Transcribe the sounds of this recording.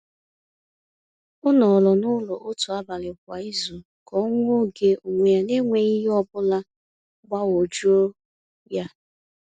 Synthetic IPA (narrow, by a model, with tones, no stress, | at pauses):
ʊ˦nɔ˨lɔ˨nʊ˦lɔ˨ʔo˦tu˨a˦ba˨lɪ˨kʷa˨˦i˦zo˨ | kɔ˦ŋʷ˦o˦ɡe˨u˨ŋʷe˨a˨ne˦ŋʷe˨i˦ɦi˦ɔ˦bʊ˦la˦ | ɡ͡ba˦wo˨d͡ʒo˦ | ja˦